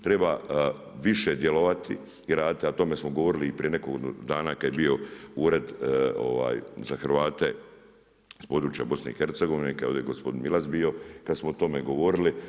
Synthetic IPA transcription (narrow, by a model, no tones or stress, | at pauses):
t̪ɾe̞ba | ʋiʃe̞d̪jelo̞ʋat̪ḭ | iɾaːd̪it̪iat̪o̞me̞smoɡoʋoɾiliːpɾiene̞kokd̪aːnakad̪jebio̞uːɾe̞d̪o̰ʋa̰ːjzaxɾʋaːt̪e̞ | ispod̪ɾuːt͡ʃja̰bo̞snḛixeɾt̪seɡo̞ʋinekaod̪eɡospo̞d̪inmilazbio̞kad̪smoot̪o̞meɡo̞ʋo̞ɾili